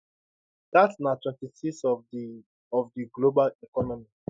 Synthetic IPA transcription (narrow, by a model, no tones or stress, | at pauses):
d̥atsnatwɛ̃ntisiks | ɔvdiɡlobalikɔnɔmi